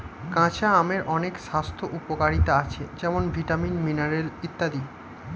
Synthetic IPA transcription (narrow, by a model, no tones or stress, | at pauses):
kãt͡ɕʰaameɾʔɔnekʃast̪ʰoʔupokaɾit̪aat͡ɕʰed͡ʑɛmonbʱiʈaminminaɾelit̪ːad̪i